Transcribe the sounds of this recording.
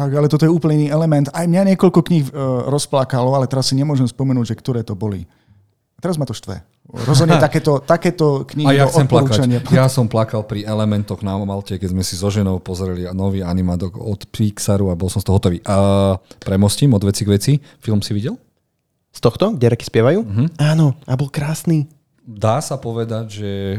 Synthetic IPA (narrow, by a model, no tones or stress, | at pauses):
t̪aɡalɛt̪ɔt̪ɔjɛuːpl̩iniːɛlɛmɛnt̪ajmɲaɲɪɛkɔlkɔkɲixɾɔsplakalɔalɛt̪ɛɾasːiɲɛmʊɔʒɛmspɔmɛnuːɟʒɛkt̪ɔɾɛːt̪ɔbɔlḭ | at̪ɛɾazmat̪ɔʃt̪ʋɛ̰ | ɾɔzɦɔdɲɛt̪akɛːt̪ɔt̪akɛːt̪ɔkɲijaɔxt͡sɔɛmplaɾuːkːt͡ʃaɲɪajasɔmplakalpɾiɛlɛmɛnt̪ɔɣnamalcɛkɛzmɛsizɔʒɛnɔʊpɔzɾɛlinɔʋiːanimad̪ɔɡɔ̰t̪piksaɾuabɔlˠsɔmst̪ɔɦɔt̪ɔʋḭːʔ | pɾɛmɔsciːmɔd̪ʋɛt͡siɡʋɛt͡si | filˠmsiʋiɟɛl | st̪ɔxt̪ɔɡɟɛɾɛki̥spɪɛʋajuːɦm̩aːnɔabɔlkɾaːsniː | d̪aːsapɔʋɛd̪aɟʒɛ